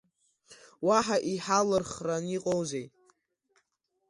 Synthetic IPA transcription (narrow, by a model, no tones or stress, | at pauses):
waħaʔiħalɨrχraniqʼowzejʼ